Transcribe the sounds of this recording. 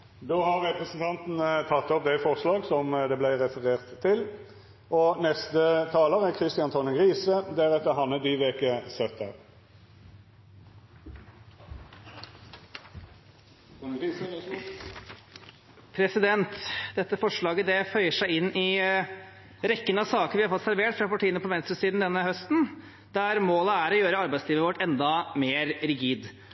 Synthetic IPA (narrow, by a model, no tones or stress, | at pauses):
d̪oːhɑʁʁɛpɾəsən̩t̪ʰɑnt̪n̩t̪ʰɑt̪ːɔp̚d̪æɪfɔʁʂlɑːɡsɔmd̪ɛblæɪʁɛfəʁeːʁt̪ʰːɪl | ʔɔnɛst̪ət̪ʰɑːləʁækʰʁɪst̪ɪɑnt̪ʰɔnəɡʁiːsəd̪æʁɛt̪ːəɦɑnːəd̪iːʋeːkəsœt̪ʰːə̰ʁ | pʰɾɛsɪd̪ɛnt̪d̪ɛt̪ːəfɔʂɭɑːɡəd̪ɛfœʏəʂæɪɪnːɪ | ɾɛkːənəɑʋsɑːkəɾʋɪhɑɾfɔt̪sæɾʋeːʈfɾɑpɑʈʰiːənəpɔʋɛnst̪ɾʉsiːd̪n̩d̪ɛnːəhœst̪n | d̪æɾmoːləæɾɔjøːɾəɑɾbæɪtsliːʋəʋɔʈːɛnd̪ɑmeːɾɾɪɡiːd̪